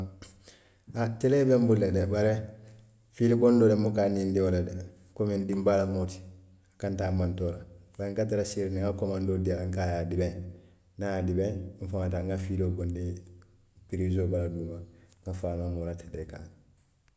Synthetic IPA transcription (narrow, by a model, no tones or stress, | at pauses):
atelebembulːedebaɾe | fiːleɡondoːlemukaːnindiolade | komindimbalamoti̥ | akantaːmantoːlabaɾeŋkat̬aɾasiɾiniŋɡakomandoːdialŋkajaːdibẽ | naaːdibẽɱfaŋataŋɡafiloɡondi | piɾizoːbaladuːmaŋɡafaːnomolateleka̰ːŋ